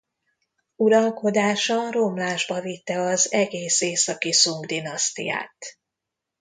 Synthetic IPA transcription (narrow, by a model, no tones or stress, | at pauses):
uɾɒlko̞d̪aːʃɒro̞mlaːʒbɒvit̪ːɛɒzɛɡeːseːsɒkisuŋɡd̪inɒst̪ḭja̰ːt̪